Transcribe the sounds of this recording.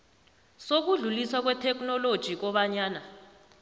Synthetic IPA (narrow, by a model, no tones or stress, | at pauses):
sok̬uɮuliswak̬wɛtʰɛk̬ʰnɔlod̥ʒ̥ʱik̬ɔɓaɲaːna